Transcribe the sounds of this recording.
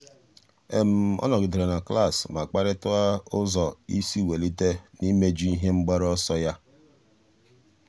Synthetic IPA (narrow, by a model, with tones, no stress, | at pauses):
e˨m̩˨ɔ̰˦nɔ˨ɡɪ˨de˨ɾe˨na˨kla˦˨sma˨k͡pa˦ɾɪ˦tʊ˦a˦ʊ˦zɔ˨i˦si˦˨we˨li˦te˦ni˦me˦d͡ʒi˦i˦ɦe˦ŋ͡m̩˦ɡ͡ba˦ɾɔ˦sɔ˦ja˦